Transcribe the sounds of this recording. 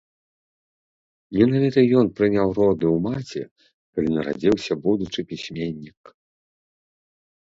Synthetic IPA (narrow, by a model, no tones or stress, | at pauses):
mʲinavʲit̪ɐjɔnpɾɨnʲawɾɔd̪ɨwmat͡sʲɛ̰ | kalʲinɐɾa̰d͡zʲiwsʲɐbud̪ut͡ʂɨpʲisʲmʲenʲːik